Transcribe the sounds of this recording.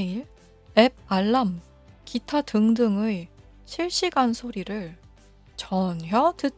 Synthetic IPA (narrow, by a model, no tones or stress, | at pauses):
iɭ | eb̚aɭːam | kitʰatɯŋdɯŋɯi | ɕʰiɭɕ͈iɡansʰoɾiɾɯɭ | t͡ɕʌnɦjʌtɯ